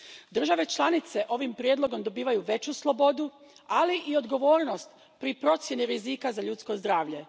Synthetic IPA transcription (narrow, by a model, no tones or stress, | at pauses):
d̪r̩ʒaʋe̞t͡ʃlˠanit̪se̞ʔo̞ʋimpɾje̞d̪lˠo̞ɡo̞md̪o̞biːʋajuʋe̞t͡ɕuslˠo̞bo̞d̪ualiʔio̞d̪ɡo̞ʋo̞ːɾno̞st̪ | pɾipɾo̞t̪sje̞niɾizikazaʎuːt̪sko̞zd̪ɾaːʋʎe̞